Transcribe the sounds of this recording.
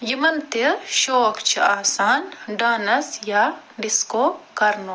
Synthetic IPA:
jimɐnt̪iʃoːkt͡ʃʰiaːsaːnɖaːnɐsja | ɖɪskoːkɐɾnoː

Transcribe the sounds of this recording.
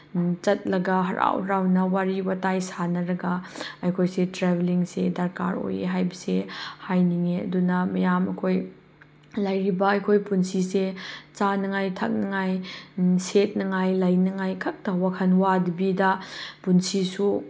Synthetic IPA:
t͡ʃɐt̚lɐɡɐɦɐɾa̰whɾawnɐwaɾiwatajsanɐɾɐɡɐɐjkʰojsetɾebeliŋsedɐɾka̰ɾo̰jḛɦajbɐsehajniŋeɐ̰dunɐmɐjamɐ̰kʰoj | lɐjɾibɐɐjkʰojpunsiset͡ʃanɐŋajtʰɐ̰k̚nɐŋajset̚nɐŋajlɐjnɐŋajkʰɐk̚tɐwakʰɐnwadibidɐpunsisu

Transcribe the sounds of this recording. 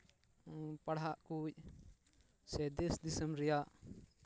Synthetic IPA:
paɽɦaʔkuc̚ | sɛd̪ɛsd̪isəmɾɛjaʔ

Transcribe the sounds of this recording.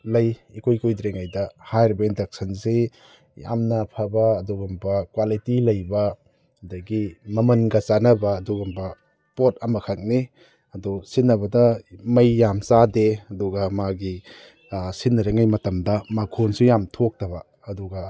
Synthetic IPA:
lɐjikʰojkojdɾeŋajdɐhajɾibɐendɐk̚sɐnse | ja̰mnɐpʰɐbɐːduɡɔmbɐkwalitilɐjbɐ | ɐdɐɡimɐmɐnɡɐt͡ʃanɐbɐːduɡambɐ | pot̚ɐmɐkʰak̚ni | ɐdusinːɐβɐdɐmɐjːamsadeɐdɔɡɐmaɡi | sinɐɾeŋajmɐtɐmdɐmakʰonsujamtʰok̚tɐβɐː | dɔɡɐ

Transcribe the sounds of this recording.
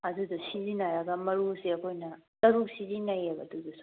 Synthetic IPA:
ɐdudusizinaɾɐɡɐmɐɾusiɐkʰojnɐtɐɾusizinɐjabɐ̰dudus

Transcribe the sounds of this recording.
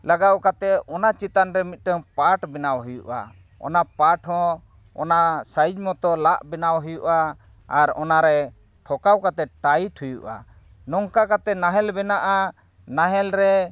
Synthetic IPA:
laɡawkat̪ɛɔnat͡ʃit̪anɾɛmit̪̚ˀʈəŋpaʈbɛnawɦujuʔa̰ | ɔ̰napaʈɦɔ̃ | ɔ̰nasaid͡ʒmɔt̪ɔlaʔbɛnawɦujuʔa | aɾɔnaɾɛ | ʈʰɔkawkat̪ɛʈajʈʰujuʔa̰ | nɔŋkakat̪ɛnaɦɛlbɛnaʔa | naɦɛlɾɛ

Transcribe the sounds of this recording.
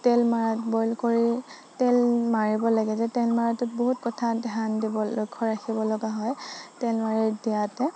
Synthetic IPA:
tɛlmaɹatbɔjlkoɹi | tɛlmaɹibɔlaɡɛzɛtɛlmaɹatʊt̚boɦutkɔtʰadɛɦandibɔlo̰jkʰːɔɹakʰibɔlɔɡaɦɔjtɛlmaɹiɹdiatɛ

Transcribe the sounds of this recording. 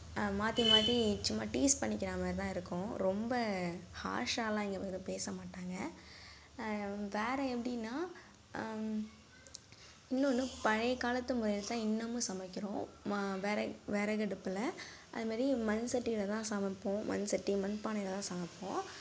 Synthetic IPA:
maːt̪imaːt̪it͡ʃːʊmːaːʈiːspɐɳːɪkːɪɾaːmɐɾt̪ãːɪɾɯkːʊ̃ɾɔmbɐha̰ːʂaːlãːɛŋɡɐpɐɯpeːsɐmaːʈːaːŋɡɐ | ʋeːɾɐɛpːɐɽɪnːaː | ɪnːɐnːɯpɐɻɐkaːlɐt̪ːɯmʊɾɐjɪlt̪ãːɪnːɐmːɯsɐmɐkːɪɾõːʋeːɾɛʋeːɾɐɡɐɽɯpːɪlɐʔɐ̰ðɯmaːd̪ɾimɐnsɐʈːiɪlɐt̪ãːsamɐpːõːmʔɐ̰nsɐʈːimɐnpaːnɐɪlɐt̪ãːsɐmɐpːõ̰ː

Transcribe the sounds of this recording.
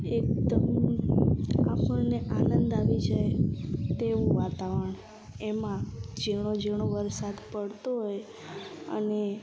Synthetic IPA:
ek̚d̪əm | a̰pəneʔanənd̪aʋid͡ʒajt̪eʋũʋat̪aʋəəɳ̃ | emãd͡ʒeɽ̃od͡ʒeɳ̃oʋəɾsad̪pəɽt̪oɦoj | ə̰ne

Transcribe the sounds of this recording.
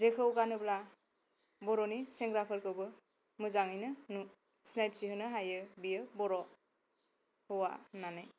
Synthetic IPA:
zekʰɯwkanɯbla | bɔɾɔniseŋɡɾapʰɯɾkɯwbɯ | mɯzaŋɯjnɯnu | snajtsihɯnɯɦajɯbijɯbɔɾɔ | hɯwa̰nanɯj

